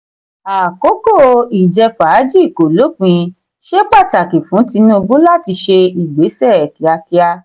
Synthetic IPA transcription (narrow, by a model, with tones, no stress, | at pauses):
a˨ko˨˦ko˦˨i˨d͡ʒɛ˧fa˨˦d͡ʒi˦i˦˨ko˨lo˨˦k͡pĩ˧ | ʃe˦k͡pa˦˨ta˨ki˨fũ˨˦ti˧˦nũ˦˧bu˦la˦˨ti˧ʃe˧i˨ɡ͡be˨˦sɛ˦˨ɛ˨ki˨a˧ki˧a˧